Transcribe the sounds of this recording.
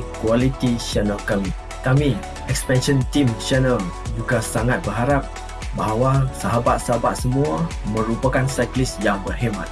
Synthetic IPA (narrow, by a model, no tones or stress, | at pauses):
kualit̪iʃɛnəlkami | kami | ɛkspɛnʃənt̪imt͡ʃɛnəl | d͡ʒuɡasaŋat̪̚bərɦaɾap̚ | baɦawasaɦabat̪̚saɦabat̪̚səmũamə̃ɾupakansajklisjaŋbərɦemã̰t̪̚